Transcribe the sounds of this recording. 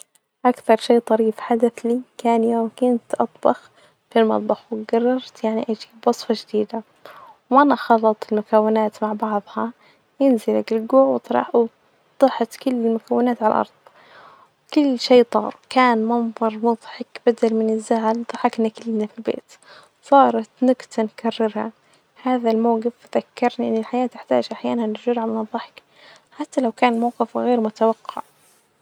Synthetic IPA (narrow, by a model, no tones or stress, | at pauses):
ʔakθɑɾˤʃeːt̪ˤɑɾiːfħad̪aθlikaːnjoːmkʊnt̪ʔɑt̪ˤbɑx | filmɑ̰t̪ˤbɑxwɪɡɑrˤːɑɾˤt̪jaʕniʔad͡ʒibwɑsˤfɑʒd̪iːd̪a | wʔanaxɑlːɑt̪ˤɪlmʊkawːɪnaːt̪maʕbɑʕðˤhɑ | jɪnzɪlakɪlɡuːʕwɪt̪ˤɾˤɑ̰w | d̪̥ˤɑħt̪kʊlːɪlmʊkawːɪnaːt̪ʕal̰ʔɑ̰ɾˤðˤ | kʊlːʃeːt̪ˤɑ̰ːɾˤkaːnmɑnðˤɑɾˤmʊðˤħɪkb̥ad̪almɪnɪzːaʕalðˤɑħɑknakɪlːnafilbḛːt̪ | sˤɑːɾˤɑt̪nʊɡt̪ankʰarːɪɾha̰ | haːðalmawɣɪfðakːɑɾˤniʔɪnːɪlħajaːt̪ɪħt̪a̰ːd͡ʒʔaħjaːnanɪɾd͡ʒʊɾhamɪnɑðˤːɑħɪ̥k | ħat̪ːalawkaːnmawqɪfɣeːɾmʊt̪awaqːɑ̰ʕ